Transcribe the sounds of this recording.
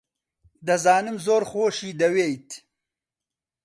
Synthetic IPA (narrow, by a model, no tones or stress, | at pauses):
d̪ɐzɑːnɨmzoːɾxoːʃiːd̪ɐweːjt̪